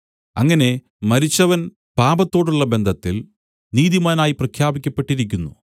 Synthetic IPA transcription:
ɐ̰ŋːɐne̞ | mɐɾit͡ɕːɐʋɐn | paːbɐt̪ːo̞ːɽuɭːɐbe̞nd̪ʱɐt̪ːil | niːðimaːnaːjiprɐkʰjaːbikʲːɐpːe̞ʈːiɾik̬ʲːunːu

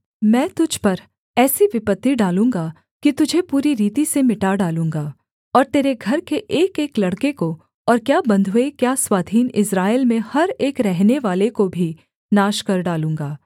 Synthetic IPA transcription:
mɛ̃ːt̪ʊd͡ʒʱpɐɾ | ɛːsiʋɪpət̪ːiɖaːlũːŋɡa | kit̪ʊd͡ʒʱepuːɾiɾiːt̪isemɪʈaɖaːlũːŋɡaː | ɔːɾt̪eːɾeɡʱɐɾkeʔeːkeːklɐɽkeko | ɔːɾkjaːbɐ̃nd̪ʱɦuekjaːswaːd̪ʱiːnɪsɾaːelmẽhɐɾeːkɾɛɦneʋaːlekobʱi | naːʃkɐɾɖaːlũːŋ̆ɡaː

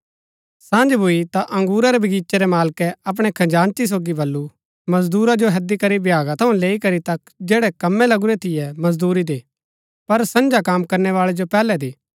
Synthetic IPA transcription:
sãːnd͡ʒbʱuit̪aʔɐ̃ŋɡuːɾaɾɛbʱɐɡiːt͡ʃɛɾɛmaːlkɛɐp̬ɽ̃ɛkʰɐ̃d͡ʒaːnt̪is̬oːɡibʱɐlːu | mɐzd̪uːɾad͡ʒoɦɐd̪ikɐɾibʱjaːɡãt̪ʰɐũleːikɐɾit̪ɐk | d͡ʒɛːɽɛkɐmːɛlɐɡʊɾɛt̪ʰɪjɛmɐzd̪uːɾid̪eː | pɐɾsɐ̃nd͡ʒakaːmkɐɾnɛʋaːɭɛd͡ʒopɛːlɛd̪iː

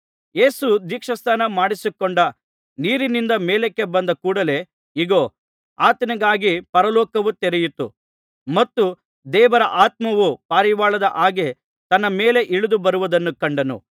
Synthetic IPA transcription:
je̞ːsud̪iːkʂɐst̪aːnɐmaːɽisukːoɳɖɐ | niːɾinind̪ɐmeːlekːe̞bɐnd̪ɐkuːɽɐle̞ | iɡo̞ː | aːt̪ɐnɐɡaːɡipɐɾɐlɔːkɐʋut̪ɛɾɛjut̪ːu | mɐt̪ːu | d̪ɛːʋɐɾɐʔaːt̪̚mɐʋupaːɾiʋaːɭɐd̪ɐʔaːɡe | t̪ɐnːɐmeːle̞ʔiɭud̪ubɐɾuʋud̪ɐnːukɐɳɖɐnṵ

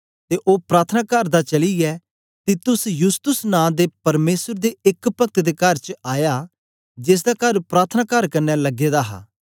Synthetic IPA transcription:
t̪eːʔoːpɾaːt̪ʰənaːkəɾd̪at͡ʃɐliɛ | t̪it̪ʊsjʊst̪ʊsnãːd̪eːpɐɾmeːsəɾd̪eːɪkpɐk̚t̪d̪eːkɐɾt͡ʃaːjaː | d͡ʒɪs̬d̪aːkɐɾpɾaːt̪ʰnaːkəɾkɐɾnːɛlɐɡeːd̪aɦa̰ː

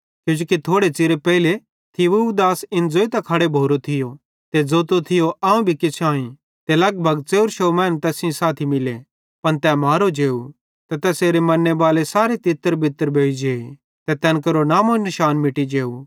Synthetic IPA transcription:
kjũːd͡ʒoːkit̪ʰoːɽet͡sɪɾepɛːile | t̪ʰɪʋud̪aːsɪnd͡zoːit̪ɐkʰɐɽebʱoːɾot̪ʰɪjo | t̪ed͡zoːt̪ot̪ʰɪjoʔaːũbʱikɪt͡ʃʰãːĩ | t̪elɐɡbʱɐɡt͡seːʊɾʃomɛ̃ːnt̪ɛːsɪ̃saːt̪ʰimɪle | pɐnt̪ɛmaːɾod͡ʒeːu | t̪ɛt̪ɛːseːɾemɐnːebaːlesaːɾet̪ɪt̪ːəɾbʱɪt̪ːəɾbʱeːid͡ʒeːi | t̪ɛt̪ɛːnkɐɾonaːmonɪʃaːnmɪʈid͡ʒeːu

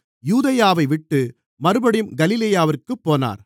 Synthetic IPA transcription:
juːðɐjaːʋɐɪʋɪʈːɯ | mɐɾɯbɐɽɪmɡɐlɪlɐjaːʋɪrkɯpːoːna̰ːɾ

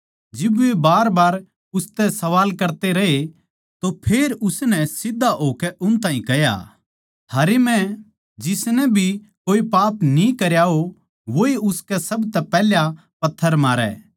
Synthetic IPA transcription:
d͡ʒɪbebaːɾbaːɾ | ʊst̪ɛsɐʋaːlkɐɾt̪eɾɐɦe | t̪opʰeːɾʊsnɛsɪd̪ʱːaɦoːkɛʔʊnt̪ãːɦĩkɐja̰ | aːɾemɛ̃ | d͡ʒɪsnɛbʱi | koːipaːpnĩkɐɾjao | ʋoiʊskɛsɐbt̪ɛpɛːlja | pɐt̪ʰːəɾmaːɾɛ̰

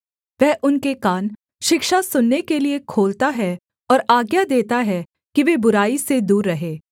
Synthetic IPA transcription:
ʋɛɦʔʊnkekaːn | ʃɪkʃasʊnːekeliekʰoːlt̪aɦɛ | ɔːɾaːɡjad̪eːt̪aɦɛ | kiʋebʊɾaːised̪uːɾːɐɦeː

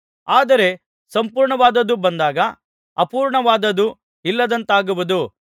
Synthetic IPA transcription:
aːd̪ɐɾe̞ | sɐmpuːɾɳɐʋaːd̪ɐd̪ːubɐnd̪aːɡɐ | ɐpuːɾɳɐʋaːd̪ɐd̪u | ilːɐd̪ɐnt̪aːɡuʋud̪u

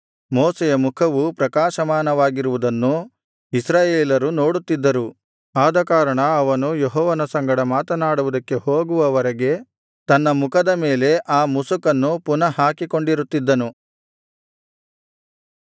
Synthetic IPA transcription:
moːsɛjɐmukʰɐʋupɾɐkaːʃɐmaːnɐʋaːɡiɾuʋud̪ɐnːu | isɾaːjeːlɐɾuno̞ːɽut̪ːid̪ːɐɾu | aːd̪ɐkaːɾɐɳɐɐʋɐnujeɦɔːʋɐnɐsɐŋɡɐɽɐmaːt̪ɐnaːɽuʋud̪ɐkːe̞hoːɡuʋɐʋɐɾɐɡe̞ | t̪ɐnːɐmukʰɐd̪ɐmeːle̞ʔaːmusukɐnːupunɐhaːkiko̞ɳɖiɾut̪ːid̪ːɐnu

